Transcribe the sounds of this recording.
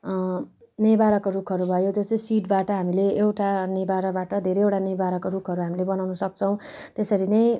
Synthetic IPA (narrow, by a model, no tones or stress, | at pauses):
nibaɾʌkoɾukʰʌɾubʱʌjod͡zʌsesiʈbaʈʌɦamileewʈanibaɾʌbaʈʌd̪ʱeɾejewʈanibaɾʌkoɾukʰʌɾuɦamilebʌnawnʌsʌk̚t͡sʰʌw̃t̪esʌɾinʌj